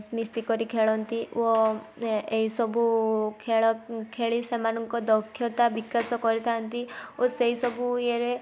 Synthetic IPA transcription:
smist̪ikɔɾikʰeɭɔnt̪io | eɦisɔbʱukʰeɭɔkʰeɭisemanɔŋkɔd̪ɔkʰːjɔt̪abikasɔkɔɾit̪ʰant̪ioseɦisɔbueɾe

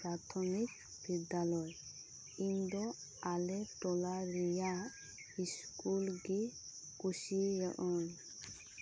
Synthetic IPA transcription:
pɾat̪ʰɔmik | bid̪alɔj | ind̪ɔalɛfd̪ɔlaɾija | iskʼulɡi | kʼuʃijɔ̰ʔɔn

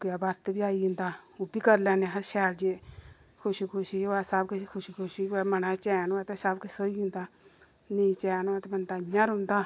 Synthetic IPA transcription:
kjaːbaɾt̪biːaːiɦʊ̃ːnd̪aːʊbiːkəɾlɛːneɦəʃɛːɾd͡ʒeː | kʰʊʃikʰʊʃiɛːsəbkkʰʊʃikʰʊʃiɛmənãːt͡ʃɛːnaːt̪ɛsəbkesoːiːʊ̃ːnd̪aː | nĩt͡ʃɛːnaːt̪ɛbənd̪aːɲːãːɾɦʊ̃nd̪aː

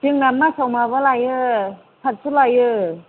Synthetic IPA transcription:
d͡ʒɯŋnamːasawmabɯlajɯ | sʰat̚sulajɯ

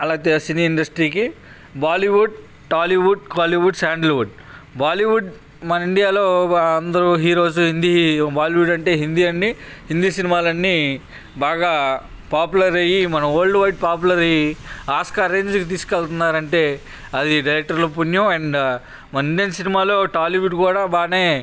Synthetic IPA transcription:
ɐlaːɡɐt̪esiniːɳɖɐsʈɾiːki | baːliʋuɖ̚ | ʈaːliʋuɖ̚kaːliʋuɖsaːɳɖɐlʋuɖ̚ | baːliʋuɖ | mɐnɐiɳɖijaːloːɐnd̪ɐɾuɦiːɾo̞ːd͡ʒuɦind̪ibaːliʋuɖɐɳʈe̞ːɦind̪iɐɳːi | hind̪isinimaːlɐnːi | baːɡaː | paːpulɐɾɐjimɐnɐmoːɭɖʋɐjʈpaːp̬ulɐɾɐjiaːskaːɾeɲd͡ʒkit̪̬iːskɛɭt̪unːaːɾɐɳʈe̞ː | ɐd̪iɖilɛk̚ʈɐɾlɐp̬unjɐmɐɳɖ | mɐnɐiɳɖijɐnsinimaːlo̞ːʈaːliʋuɖkuːɽaːbaːneː

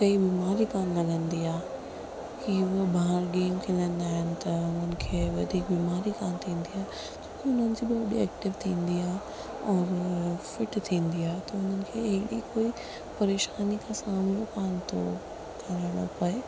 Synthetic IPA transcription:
kɐibiːmaːɾikaːnlɐɡə̃nd̪iaːɦ | kiʋbaːɾɡeːmk̪ʰĩnənɪaːɦɪnɪ̆t̪ɐʊn̤ənɪ̆kʰeːʋɐd̪ʱiːk̚biːmaːɾikaːnt̪ʰĩːn̆d̪iaːɦe | d͡ʑõːkiʊnənɪ̆d͡ʑiːbɪɐɗḭɛːk̚ʈɪʋt̪ʰĩːnd̪iaːɦe | ɔːɾfɪʈt̪ʰĩːnd̪iaːɦet̪ɐʊn̤ənɪ̆kʰeːɐɦɪɗikoːi | pɐɾeːʃaːnikʰãːsaːmlokaːnt̪ʰo̰ | kɐɾənɐ̰pɐe

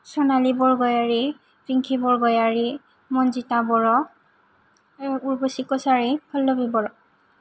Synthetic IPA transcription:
sɔnalibɔɹɡɔjaɹi | pɹiŋkʰibɔɹɡɔjaɹi | mɔnzitabɔɹɔ | uɹbɔsikɔsaɹikʰɔlːɔbibɔɹɔ

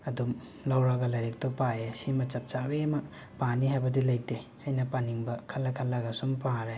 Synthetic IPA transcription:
ɐdum | lawɾɐɡɐlaɾek̚tɔpajesimɐt͡ʃɐp̚t͡ʃabemɐ | paniɦajbɐdilaj̚te | ajnɐpaniŋbɐkʰɐlːɐkʰɐlːaɡasumpaɾa

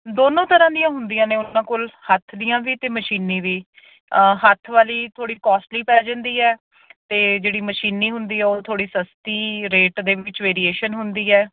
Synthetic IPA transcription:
d̪oːnõːt̪əɾãːd̪ijãːɦʊnd̪ijãːnẽːʊnãːkʊlhət̪ʰd̪ijãːʋiːt̪eːməʃiːniːʋiː | ɦət̪ʰʋaːliːt̪ʰoːɽiːkɔːsʈliːpɛːd͡ʒãːnd̪iːɛː | t̪eːd͡ʒeːɽiːməʃiːniːɦʊnd̪iːɛːoːt̪ʰoːɽiːsəst̪iːɾeːʈd̪eːʋɪt͡ʃʋeːɾiːeːʃənɦʊnd̪iːɛː

